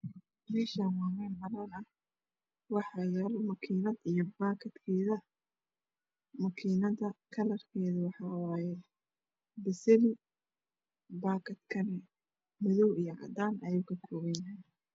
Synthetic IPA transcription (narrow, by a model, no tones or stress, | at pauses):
mɛːʃamaːmɛnbɐlɐnɐh | wɑħɑjaːlɔmɐkʰiːnɐd̪ijɔbaːkʰɐd̪kʰɛːðɐ | mɐkʰiːnɐðɐkʰɐlɐrkʰɛːðɐwɑħɑːwɑːjɛ | bɪsɪlɪ | baːkʰɐd̪kʰɐnɛ | mɪðɔwijɔʕɑ̰d̪aːnʔɐjʊkʰɐkʰɔːwɛjnɐ